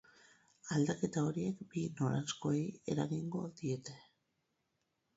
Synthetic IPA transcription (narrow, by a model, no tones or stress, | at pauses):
ald̪ake̞t̪ao̞ɾie̞kbino̞ɾasko̞eje̞ɾaɣiŋɡo̞ðie̞t̪e̞